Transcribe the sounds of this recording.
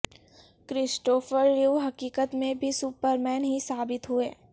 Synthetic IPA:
kɾɪsʈoːfəɾːuːɦɐkiːkət̪mẽbʱisupəɾmɛːnɦisaːbɪt̪ɦueː

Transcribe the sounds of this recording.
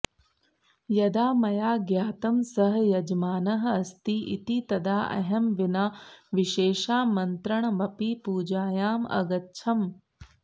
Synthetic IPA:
jɐd̪aːmɐjaːɡjaːt̪ɐmsɐɦɐjɐd͡ʒmaːnɐɦɐɐst̪iʔḭt̪it̪ɐd̪aːʔɐ̰ɦɐmʋinaːʋiʃeːʃaːmɐnt̪ɾɐɳɐʋɐpipuːd͡ʒaːjaːmɐ̰ɡɐtːʃʰɐm

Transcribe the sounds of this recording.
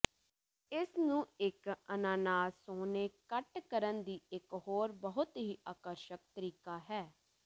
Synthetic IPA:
ɪsnũːɪkənaːnaːsoːneːkəʈkəɾənd̪iːɪkɦoːɾbəɦʊt̪ɦiːʔaːkəɾʃək̚t̪əɾiːkaːɦɛː

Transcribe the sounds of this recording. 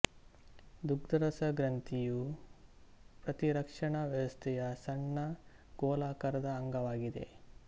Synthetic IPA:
d̪uɡ̚d̪ɐɾɐsɐɡɾɐnt̪iju | pɾɐt̪iɾɐkʂɐɳɐʋjɐʋɐst̪ʰɛjɐsɐɳːɐ | ɡ̥ɔːlaːkɐɾɐd̪ɐːŋɡɐʋaːɡid̪e̞̰

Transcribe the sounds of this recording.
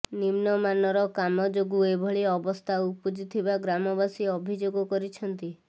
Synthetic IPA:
nimnɔmanɔɾɔkamɔd͡ʒoɡuebʱɔɭiɔbɔst̪ʰaupud͡ʒit̪ʰibaɡɾamɔbasiɔbʱid͡ʒoɡɔkɔɾit͡ʃʰɔnt̪i

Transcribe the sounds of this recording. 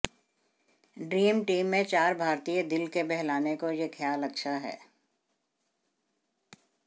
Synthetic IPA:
ɖɾiːmʈiːmːẽt͡ʃaːɾbʱaːɾt̪ijəd̪ɪlkebɛɦlaːnekojexʰjaːlɐkʃʰaɦɛ̰ː

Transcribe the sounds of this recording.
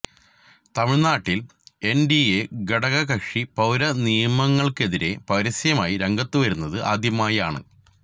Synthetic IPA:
t̪ɐmiɭnaːʈːil | e̞ndieɡɐɽɐɣɐkɐʂipɐwɾɐnijɐmɐŋːɐɭke̞ðiɾe̞̰pɐɾɐsjɐmaːjiɾeŋɡɐt̪ːuʋɐɾunːɐðɨʔaːd̪ʱjɐmaːjaːɳɨ̰

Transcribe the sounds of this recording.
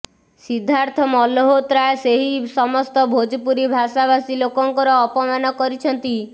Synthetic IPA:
sid̪ʱːaɾt̪ʰɔmɔloɦot̪ɾajseɦisɔmɔst̪ɔbʱod͡ʒpuɾibʱasabasilokɔŋkɔɾɔːpɔmanɔkɔɾit͡ʃʰɔnt̪i

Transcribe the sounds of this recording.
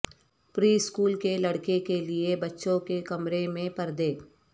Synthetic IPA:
pɾiːɪskuːlkelɐɽkekeliebɐtːʃõkekɐmɾemẽpɐɾd̪eː

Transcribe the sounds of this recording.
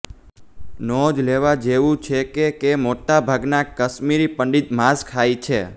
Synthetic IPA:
nɔd͡ʒleʋad͡ʒeʋũt͡ʃʰekekemoʈabʱaɡnakəʃmiɾipəɳɖit̪maskʰajt͡ʃʰe

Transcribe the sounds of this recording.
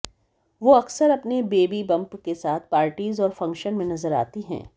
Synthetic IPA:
ʋoɐksəɾɐpnebeːbibɐ̃mpkesaːt̪ʰpaːɾʈiːzɔːɾfɐ̃ŋkʃənmẽnɐzəɾa̰ːt̪iɦɛ̰̃ː

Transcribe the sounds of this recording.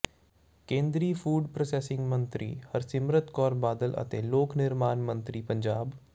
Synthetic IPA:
kẽːnd̪ɾiːfuːɖpɾoseːsɪ̃ŋɡmə̃nt̪ɾʔḭːhɐɾsɪmɾət̪kɔːɾbaːd̪əlʔɐ̰t̪ḛːloːknɪɾmaːnmɐ̃nt̪ɾipɐ̃ɲd͡ʒaːb

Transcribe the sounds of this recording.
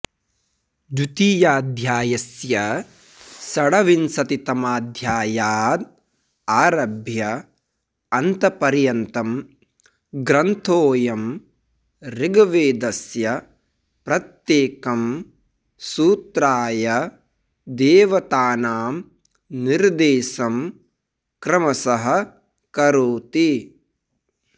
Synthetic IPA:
d͡ʒut̪iːjaːd̪ʱjaːjɐsjɐ | sɐɽɐʋinsɐt̪it̪ɐmaːd̪ʱjaːjaːd̪ | aːɾɐbʱjɐ | ɐnt̪ɐpɐɾjɐnt̪ɐm | ɡɾɐnt̪ʰoːjɐm | ɾɪɡɐʋeːd̪ɐsjɐ | pɾɐt̪jeːkɐm | suːt̪ɾaːjɐ | d̪eːʋɐt̪aːnaːm | niɾd̪eːsɐm | kɾɐmɐsɐɦɐ̆ | kɐɾoːt̪i

